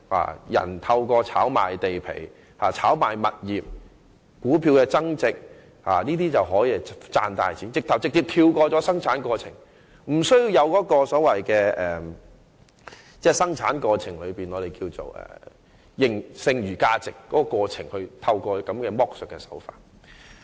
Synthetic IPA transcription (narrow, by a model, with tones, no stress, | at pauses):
a̰ː˨jɐ̰˨˩nt̪ʰɐ˧wkɔː˧t͡sʰa̰ː˨˥wma̰ː˨˩jt̪e˨jpʰḛ˨˩j | haː˨˩t͡sʰaː˨˥wmaː˨˩jmɐ˨t̚jiː˨p̚ | kuː˨˥pʰiː˧wkɛː˧t͡sɐ˥ŋt͡sɪ˨k̚ | ha̰ː˨˩niː˥t̪iː˥t͡sɐ˨wɦɔː˨˥jiː˧t͡sa̰ː˧nt̪aː˨jt͡siː˨˥nt͡sɪ˨k̚t̪ʰɐ˨˩wt͡sɪ˨k̚t͡siː˧p̚t̪ʰiː˧wkɔː˧t͡sɔ˨˥sɐ˥ŋt͡sʰaː˨˥nkɔː˧t͡sʰɪ˨˩ŋ | m̩˨˩sɵ˥ji˧wjɐ˨˧wkɔː˨˥kɔː˧sɔː˨˥wɐ˨jkɛː˧ʔɛː˨˩ | t͡sɛː˥˩sɐ˥ŋt͡sʰa̰ː˨˥nkɔː˧t͡sʰɪ˨˩ŋlɵ˨˧ɥpiː˨nɔː˨˧ɾe˨jkiː˧wt͡so̰˨˩wɛ̰ː˨˩ | jɪ˨ŋsɪ˧ŋɥyː˨˩kaː˧t͡sɪ˨kːɔː˨˥kɔː˧kɔː˧t͡sʰɪ˨˩ŋhɵ˧ɥt̪ʰɐ˧wkɔː˧kɐ˨˥mkɛː˧mɔː˥k̚sœ˨˩kːɛː˧sɐ̥˨˥wfa̰ː˨t̚